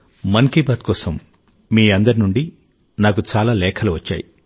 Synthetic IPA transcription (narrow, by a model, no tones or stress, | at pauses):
mɐnkibaːt̪̚kɔːsɐm | miːɐnd̪ɐɾinuɳɖi | naːkut͡ʃaːlaːlɛːkʰɐluʋɐt͡ʃːa̰ːji